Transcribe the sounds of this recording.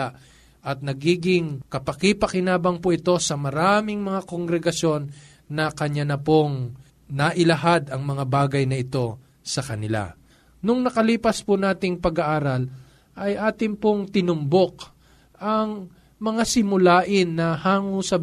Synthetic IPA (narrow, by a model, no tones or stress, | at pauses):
a | ʔɐt̪̚nɐɡiːɡɪŋkɐpɐkipɐkɪnaːbɐŋpoʔɪt̪o̞sɐmɐɾaːmɪŋmɐŋakoŋɡɾɛɡɐsjo̞nː | ɐkɐɲanɐpoŋ | nɐʔɪlɐɦad̪ɐŋmɐŋabaːɡɐjnɐɪt̪o̞ | sɐkɐnɪla̰ | nʊŋnɐkɐliːpɐspʊnaːt̪ɪŋpɐɡɐʔaːɾɐl | ʔɐjʔaːt̪ɪŋpoŋt̪ɪnʊmbo̞k | ʔɐŋ | mɐŋasɪmʊlaːʔɪnːɐhaːŋʊsɐ